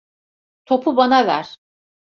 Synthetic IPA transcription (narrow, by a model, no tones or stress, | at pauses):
t̪ʰo̞pʰubanavæ̰ɾ̥